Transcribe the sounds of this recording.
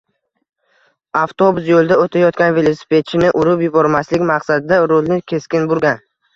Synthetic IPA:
aft̪ʰo̞bʊs̬jolˠd̪aot̪ʰajɒt̪̚kʲanve̞lˠosɪ̥pʰe̞t̪̚t͡ʃʰɪnɪʔʊɾʊpjʊbɒɾmaslɪkʲmaqsad̪ɪd̪aɾolˠnɪkʲʰe̞skʲɪnbʊɾɡʲan

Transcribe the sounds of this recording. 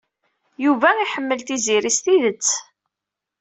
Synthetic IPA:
juvæiħəmːəlt̪iziɾist̪iðət͡sː

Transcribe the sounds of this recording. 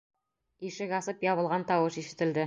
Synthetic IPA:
iʃɘkɑsɤpjɒβɤ̆lˠʁɑnt̪ɑwɤʃiʃɘ̆t̪ɘ̆ld̪ɘ

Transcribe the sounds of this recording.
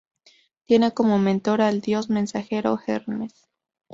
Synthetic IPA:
t̪je̞neko̞momẽnt̪o̞ɾald̪jo̞zmẽ̞nsaxe̞ɾo̰xeɾnes

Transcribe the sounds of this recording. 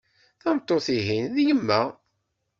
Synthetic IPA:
θæmt̪ˤːoθiɦinðjəmːæ

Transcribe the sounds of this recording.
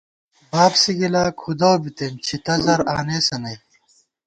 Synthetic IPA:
baːbsiɡilaːkʰud̪ɐwbit̪emt͡ɕʰit̪ɐzɐɾa̰ːneːsɐnɐj

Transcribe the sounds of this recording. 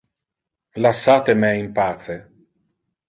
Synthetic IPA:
lasːaːt̪emɛimpaːt̪se

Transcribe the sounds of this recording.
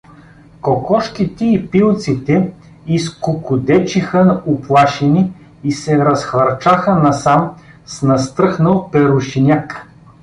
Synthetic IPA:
kokɔʃkit̪ɛipilˠt̪sit̪ɛ | iskʊkʊd̪ɛt͡ʃixənʊplˠaʃɛniː | sɛɾɐsxvɐɾt͡ʃaxənɐsam | snɐst̪ɾɤxnəlˠpɛɾʊʃinʲak

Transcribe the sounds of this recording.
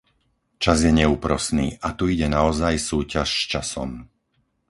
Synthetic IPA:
t͡ʃazɪjɛɲɛuːpɾɔsniːʔat̪uiɟɛnaɔzajsuːcaʃst͡ʃasɔ̰m

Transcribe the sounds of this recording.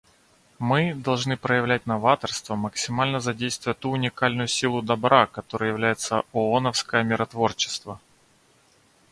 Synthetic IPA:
mɨd̪ɐlˠʐnɨpɾəjɪvlʲæt̚ʲnɐvat̪ərst̪vəməksʲɪmalʲnəzɐdʲejst̪vʊjət̪uːnʲɪkalʲnʊjʊsʲilˠʊd̪ɐbɾakɐt̪o̞ɾəjəjɪvlʲæjɪt̪səoonəfskəjəmʲɪɾʔɐt̪vo̞rt͡ɕɪ̥st̪və

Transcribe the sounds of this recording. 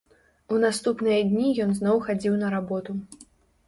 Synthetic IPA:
unast̪upnɨjɐd̪ʲnʲijɔnznɔwxad͡zʲiwnɐɾabɔt̪u

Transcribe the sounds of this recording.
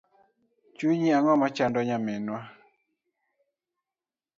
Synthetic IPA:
t͡ʃuɲiaŋɔmat͡ʃandɔɲamɛnwa

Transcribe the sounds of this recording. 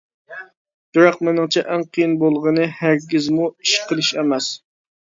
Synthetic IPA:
d̪̥uɾɑqmɪnɪŋt͡ʃʰɛʔæŋqʰəjinbolˠʁənɨhæɾɡʲizmuiʃqʰəlˠɨʃɛmɛs

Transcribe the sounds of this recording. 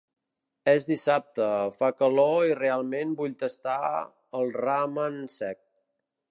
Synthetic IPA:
ɛzd̪isap̚t̪əfakəloirealˠmenbuʎt̪əst̪a | əlˠramənsɛk̚

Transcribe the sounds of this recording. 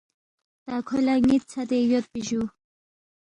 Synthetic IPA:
t̪akʰolaŋit̪̚t͡sʰat̪ejot̪̚piʑu

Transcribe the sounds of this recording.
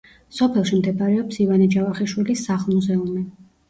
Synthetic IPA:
sɔpʰɛlˠʃimd̪ɛbaɾɛɔpsivanid͡ʒavaχiʃwilisaχlˠmuzɛumi

